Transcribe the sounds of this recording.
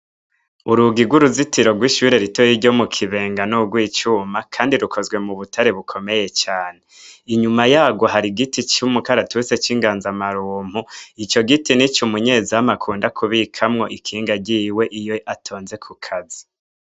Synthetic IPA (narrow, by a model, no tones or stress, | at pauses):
uɾuɡiɡwuɾuzitʰiɾo̞ɡwiːʃuːɾe̞ɾitojiɾɟo̞mukʰiβe̞ːŋɡanuɡwiːt͡ʃumakʰaːndiɾukʰo̞zɡwe̞muβutʰaɾe̞βukʰo̞me̞je̞t͡ʃaːneiɲumajaːɡo̞ɦaɾiɡitit͡ʃumukaɾatuse̞t͡ʃiːŋɡaːnzamaɾuːm̥huit͡ʃo̞ɡitinit͡ʃumuɲe̞ziamakʰuːndakʰuβikʰamŋo̞ʔikʰiːŋɡaɟiwe̞ʔijoʔatʰo̞ːnze̞kʰukʰazi